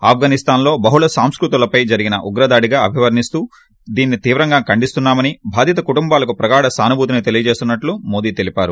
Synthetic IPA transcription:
aːp̚ʰɡanist̪aːnlo̞ːbɐɦuɭɐsaːmskɾut̪ulɐpɐjd͡ʒɐɾiɡinɐʔuɡɾɐd̪aːɽiɡaːɐbʱiʋɐɾnist̪uː | d̪iːnːit̪iːʋɾɐŋɡaːkɐɳɖist̪unːaːmɐnibʱaːd̪jɐt̪ɐkuʈumbaːlɐkupɾɐɡaːɽɐsaːnubʱuːt̪init̪e̞lijɐd͡ʒe̞ːst̪unːɐʈlumo̞ːd̪iːt̪e̞lipaːɾu

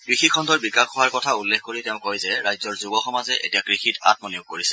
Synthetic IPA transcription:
kɹixikʰɔndʱɔɹbikakɔwaɹkɔtʰaulːexkoɹitɛʊ̃kojzɛɹajzɔɹzubɔxɔmazɛʔḛtiakɹixita̰t̚mɔnijoɡ̚koɹisɛ̥

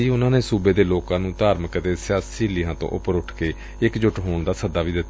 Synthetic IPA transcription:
iːʊnãːneːsuːbeːd̪eːloːkãːnũːt̪aːɾməkt̪eːsɪjaːsiːlɪɦãːt̪õ̰ʔʊ̰pəɾʊʈʰkeː | ɪkd͡ʒʊʈɦoːɳd̪aːsəd̪ːaːʋiːd̪ɪt̪ːa

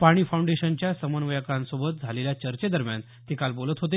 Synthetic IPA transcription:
paɽ̃iːfʰaũɳɖeɕənt͡ɕjasəmənʋəjakãnsobət̪̚d͡zʱaleljat͡ɕəɾt͡ɕed̪əɾmja̰n | t̪ekalbolət̪ɦot̪e

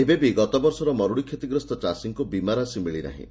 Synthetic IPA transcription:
ebebiɡɔt̪ɔbɔɾsɔɾɔmɔɾuɽikʰjet̪iɡɾɔst̪ɔt͡ʃasiŋkubimaɾasimiɭiɾa̰ɦḭ̃

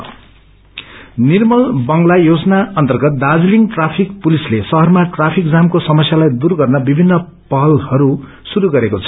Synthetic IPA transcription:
nirmʌlbʌŋɡlajod͡zʌnaʌnt̪ʌrɡʌt̪̚d̪ad͡zliŋʈrapʰikpulislesʌɦʌrmaʈrapʰik̚d͡zamkosʌmʌsjalajd̪urɡʌrnʌbibʱinːʌ | pʌɦʌlhʌɾu | suɾuɡʌɾekot͡sʰʌ

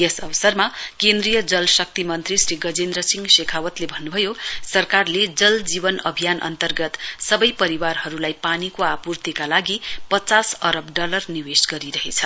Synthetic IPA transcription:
jesʌbʌsʌrmakend̪rijʌd͡zʌlsʌk̚t̪imʌnt̪risriɡʌd͡zend̪rʌsiŋɡsekʰawʌt̪lebʱʌnːubʱʌjosʌrkarled͡zʌld͡zibʌnʌ̰bʱijanʔʌ̰nt̪ʌrɡʌt̪sʌbʌjpʌɾiwarhʌɾulajpanikoapurt̪ikalaɡipʌt͡sasʌɾʌbɖʌlʌrniwesɡʌɾiɾʌɦet͡sʰʌ

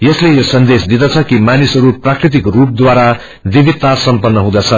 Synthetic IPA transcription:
jʌslejosʌnd̪esd̪id̪ʌt͡sʰʌkimanisʌɾuprakrit̪ikrup̚d̪waɾa | d̪ibit̪ːasʌmpʌnːʌɦũd̪at͡sʰʌ

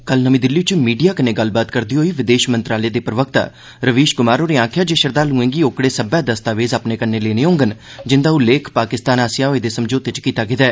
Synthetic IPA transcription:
kəlnəmĩːd̪ɪlːiːt͡ʃmiːɖijaːkənẽːɡəlbaːt̪kəɾd̪iːɦoːiːʋɪd̪eːʃmənt̪ɾaːleːd̪eːpɾəʋək̚t̪a̰ː | ɾəʋiːʃɡʊmaːɾoːɾeːãːkʰjaːd͡ʒeːʃəɾd̪aːlũːẽːŋɡiːokɽeːsəbɛːd̪əst̪aːʋeːzaːpneːkənːeːleːneːɦõːŋɡən | d͡ʒɪnd̪aːʊleːkʰpaːkɪst̪aːnaːsɪjaːoeːd̪eːsəmd͡ʒoːt̪ɪt͡ʃkiːt̪aːɡeːd̪ɛː

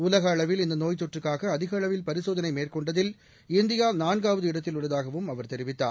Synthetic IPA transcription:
ʊlɐɣɐːɭɐʋɪlɪnd̪ɐnoːjt̪ɔʈrɯkːaːɣɐːðɪɣɐɐɭɐʋɪlpɐɾɪsoːðɐnɐɪmeːrkɔɳɖɐðɪl | ɪnd̪ɪjaːnaːnɡaːʋɐðɯɪɽɐt̪ːɪlʊɭɐðaːɣɐʋɯmɐʋɐɾt̪ɛɾɪʋɪt̪ːa̰ːɾ

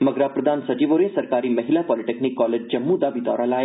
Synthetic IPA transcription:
mɐɡɾapɾɐəd̪ʱaːnsɐd͡ʒiːʋoːɾesɐɾkaːɾimɐɦɪlapɔːlɪʈeːknikːɔːleːd͡ʒd͡ʒɐmːũd̪abʱit̪ɔ̰ːɾalaːja

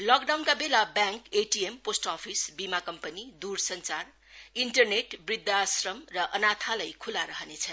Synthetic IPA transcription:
lʌk̚ɖawnkabelabjãŋkeʈiemposʈapʰisbimakʌmpʌnid̪ursʌnt͡sar | inʈʌrneʈbrid̪ːasrʌmrʌʔʌnat̪ʰalajkʰulaɾʌɦʌnet͡sʰʌn

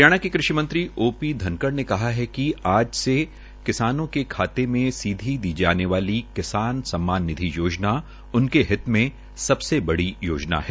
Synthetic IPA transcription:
ɾjaːɽ̃akikɾɪʃimɐ̃nt̪ɾiʔoːpid̪ʱɐ̃nkəɽnekɐɦaɦɛkiaːd͡ʒse | kɪsaːnõkekʰaːt̪emẽsiːd̪ʱid̪iːd͡ʒaːneʋaːlikɪsaːnsɐ̃mːaːnːɪd̪ʱijoːd͡ʒna | ʊnkeɦɪt̪mẽ | sɐbsebɐɽijoːd͡ʒna̰ɦɛː

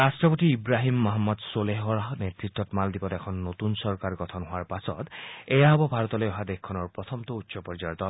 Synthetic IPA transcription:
ɾasʈɹɔpot̪iːbɾaɦimːɔɦamːɔd̪soleɦɔɹaɦnet̪ɹit̪ːɔtmald̪ibɔtɛkʰɔnːot̪unsɔɹkaɹɡɔt̪ʰɔnɦoaɹpasɔ̰t̪ejaɦɔbɔbʱaɹɔt̪ɔlojɔɦad̪ekkʰːɔnɔɹpɹɔt̪ʰɔmt̪ɔutːsɔpɔɹd͡ʒajɔd̪ɔl

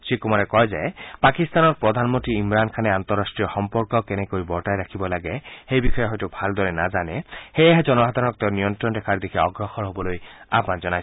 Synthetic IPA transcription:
t͡ʃikumaɾɛkɔjzaepakist̪anɔɹpɹɔd̪ʱanmont̪ɾiimɾankʰanɛant̪ɔɾːastɹijɔxɔmpɔɹkɔkenɛkoɾibɔɹʈajɾakʰibɔlaɡɛxejbixʰɔjɔɦɔjtubʱald̪ɔɹɛnazanɛxejaɦed͡ʒɔnɔbʱad̪ʱanɔk̚t̪ewnijɔnt̪ɾɔndɛkʰaɹd̪ekʰiɔɡɹɔxɔɹɦobɔloja̰pand͡ʒɔnaj

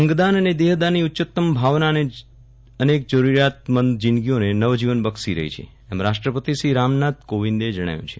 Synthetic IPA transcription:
ə̃ŋɡd̪anəned̪eɦd̪aniʊtːt͡ʃət̪ːəmbʱaʋnane | ənek̚d͡ʒəɾuɾjat̪̚mənd̪d͡ʒɪnɡionenəʋd͡ʒiʋənbəksiɾə̰ɦḭt͡ʃʰḛ | ɛmɾaʃʈɾəpət̪iʃɾiɾamnat̪̚koʋind̪ed͡ʒəɽ̃a̰jṵ̃t͡ʃʰe̥

